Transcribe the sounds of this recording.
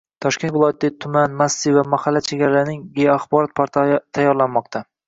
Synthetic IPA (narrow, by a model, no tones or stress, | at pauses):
t̪ʰɒʃkʲe̞nt̪vɪlˠɒjat̪ːat̪ʰʊmanmasːivamahalːat͡ʃʰe̞ɡʲaɾalaɾnɪŋɡejaχbɒɾɒt̪̚pʰaɾt̪ʰt̪ʰːajːɒɾlanmɒqt̪ʰa